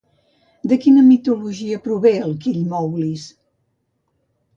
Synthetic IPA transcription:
d̪əkinəmit̪uluʒiəpɾuβeəlˠkiʎmɔwlis

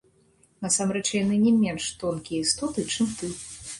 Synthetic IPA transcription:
nɐsamɾɛt͡ʂjanɨnʲɛmʲɛnʂt̪ɔnkʲijɐist̪ɔt̪ɨt͡ʂɨmt̪ɨ

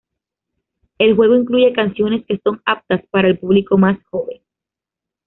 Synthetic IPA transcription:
e̞lxwe̞ɣ̞o̞iŋkluʝe̞kansjo̞ne̞ske̞so̞ŋap̚t̪aspaɾaelpuβliko̞masxo̞βeŋ

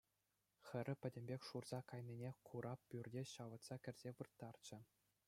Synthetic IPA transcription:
xʲɘ̆ɾʲɘ̆pʲɘ̆dʲɘ̆mʲbʲekʲʂurz̥ɑkɑjnʲinʲekʰuɾʔɑppʲːyrʲdʲeɕɑʋɤ̆t̪sɑkʲɘ̆rʲz̥ʲeʋɯrt̪ːɑrt͡ɕɘ̆

